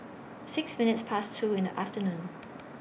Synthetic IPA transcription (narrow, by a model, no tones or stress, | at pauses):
sɪɡ̥sminud̥spʰæst͡sʰuːenʔæfd̥ɐnuːnn̩